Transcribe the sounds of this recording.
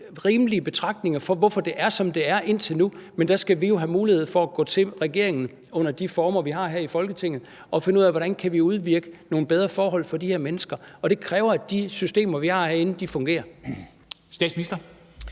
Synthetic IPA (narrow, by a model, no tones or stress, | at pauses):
ʁiːmliəb̥e̝t͡sʰʁɑ̈ɡ̥̚d̥ne̝ŋɐfɒ̽ʋɒfɒd̥e̝ʔæɐsɒ̽md̥e̝æɐʔe̝n̰t͡sʰe̝lnumend̥æsɡ̥æʋijo̝ɦæmuːlihe̝ð̞̰ˠfɒ̽æɡ̥ɔ̰ːt͡sʰe̝ʁɛɡ̥e̝ɐ̰e̝ŋn̩ | ɔ̽n̰ɐd̥ifɒːmɐʋiɦɑ̈ːɦeɐ̰ifɒ̽lɡ̥ət͡sʰe̝ŋ̰ð̞̩ˠ | ɒ̽fe̝nəuð̰ˠæʋɒɾ̥ænkʰæʋiuð̞ˠʋiɐɡ̥əno̝ːn̩b̥eð̞ˠʁɐfɒːɦɒ̽l̰fɒ̽d̥iheɐ̰menəsɡ̥ɐɒ̽ɾ̥e̝kʰʁɛːʊɐæd̥isysd̥e̝̰ːmɐʋihɑ̈ɐɐe̝nn̩d̥ifɔ̽ŋɡ̥e̝̰ːɐ | sd̥ɛ̰ːd̥sminisd̥ɐ